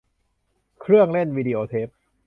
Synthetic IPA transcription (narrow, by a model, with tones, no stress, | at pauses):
kʰɾɯ˥˩əŋle˥˩nwiː˧di˧ʔoː˧t̪ʰeː˦˥p̚